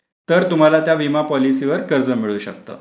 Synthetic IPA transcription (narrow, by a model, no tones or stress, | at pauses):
t̪əɾt̪um̤alat̪jaʋimapɔlisiʋəɾkəɾd͡zəmiɭuːɕək̚t̪ə̰ː